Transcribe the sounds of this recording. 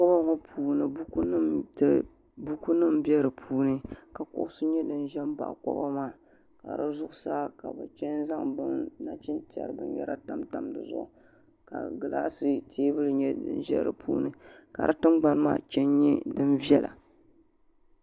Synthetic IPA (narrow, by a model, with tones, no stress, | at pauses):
kɔ˦ba˦ŋo˦pʰuː˨nɨ˨bu˦knɨ˦mt | bu˦ku˦nɨ˦mbɛ˦ɾɨ˨pʰuː˦nɨ˦ka˨kʊ̰˦ʔʊ˦sɨ˦ɲɛ˦dɨ˨n˦ʒɛ˦mba̰˨ʔkɔ̰˦ba˦maː˦˨ | ka̰˨ɾɨ˦zʊ˦ʔʊ˦saː˦ka˨bɨ̰˨t͡ʃɛ˦nza˦ŋbɨ˦nna˨t͡ʃɪ˦nti˨ɛ̰˨ɾɨ˨bɨ̰˦njɛ̰˦ɾa˦ta˦mta˦mdɨ̰˨zʊ̰˦ʔʊ˨ | ka̰˨ɡɨ˨la̰˦sɨ˦tʰeː˦bɨ˦lɨ˨ɲɛ˦dɨ̰˨nʒɛ̰˦ɾɨ̰˨pʰṵː˦nɨ˦ | ka̰˨ɾɨ˦tɨ˦mɡ͡ba˨n˦ma̰ː˦˨t͡ʃɛ˦nɲɛ˦dɨ˦nvi˦ɛ˦la̰˨